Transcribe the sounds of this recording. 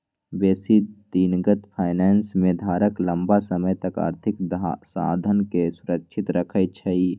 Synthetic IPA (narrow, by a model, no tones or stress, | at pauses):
beːsid̪iːnɡət̪pʰaːɪnɛːnsmẽd̪ʱaːɾəklə̃mbasəməjt̪əka̰ːɾt̪ʰɪkdsa̰ːd̪ʱənkesʊɾəkʃʰɪt̪ɾəkʰət͡ʃʰəi